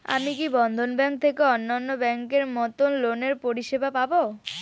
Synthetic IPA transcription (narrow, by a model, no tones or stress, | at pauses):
a̰mikibɔnd̪ʱonbɛŋk̚t̪ʰekeɔnːanːobɛŋkeɾmɔt̪onloneɾpoɾiʃebʱapabo